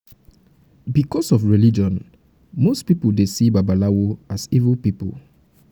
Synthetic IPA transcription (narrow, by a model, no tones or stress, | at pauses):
bikɔsɔfɹilid͡ʒɔ̃n | mostpipoldesibabalawoasivəlpipo̰l